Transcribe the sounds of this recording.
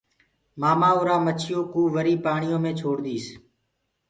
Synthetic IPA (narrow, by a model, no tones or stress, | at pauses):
maːmãːʊːɾaːmət͡ʃʰɪjõːkuːʋəɾiːpaːɳɪjõːmẽːt͡ʃʰoːɽd̪iːs